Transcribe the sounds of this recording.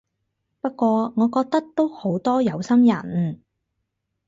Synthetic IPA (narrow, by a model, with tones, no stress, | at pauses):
pɐ˥t̚kʷɔː˧ŋɔː˨˧kɔː˧k̚t̪ɐ˥k̚t̪o˥who˨˥wt̪ɔː˥jɐ˨˧wsɐ˥mjɐ˨˩n